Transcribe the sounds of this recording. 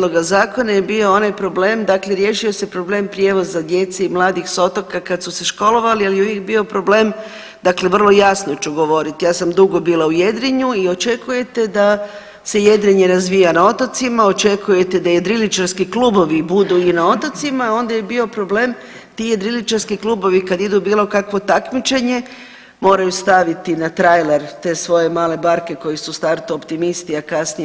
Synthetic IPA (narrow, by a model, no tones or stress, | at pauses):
loɡazaːko̞najebio̞o̞najpɾo̞ble̞ːmd̪akle̞ɾje̞ʃio̞se̞pɾo̞ble̞ːmpɾʲje̞ʋo̞zad̪je̞t̪seimlˠaːd̪ixso̞t̪okakad̪suse̞ʃko̞lo̞ʋalialjeuʋjek̚bio̞pɾo̞ble̞ːm | d̪akle̞ʋr̩lˠo̞jasnot͡ʃuɡo̞ʋo̞ɾit̪ijaːsamd̪uɡo̞biːlˠauje̞d̪ɾiɲuio̞t͡ʃe̞kuje̞t̪e̞d̪a | se̞je̞d̪ɾiɲeɾazʋijanao̞t̪at̪simao̞t͡ʃe̞kuje̞t̪ed̪aje̞d̪ɾilit͡ʃaɾskiklubo̞ʋibud̪uinao̞t̪ot̪simao̞nd̪ajebio̞pɾo̞ble̞m | t̪ije̞d̪ɾilit͡ʃaɾskiklˠuːbo̞ʋikad̪id̪ubiːlˠo̞kakʋo̞t̪akmit͡ʃe̞ɲe̞ | mo̞ːɾajust̪aʋit̪inat̪ɾajleɾt̪e̞sʋo̞je̞maːle̞baɾke̞ko̞jisust̪aɾt̪uopt̪imist̪iakasni